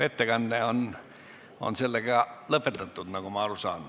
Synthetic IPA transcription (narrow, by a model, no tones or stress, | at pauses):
ʋet̪ːækɑnːeon | o̰nselːækæləpet̪ːɑt̪ːut̪ːɑkomɑolosɑ̰nːu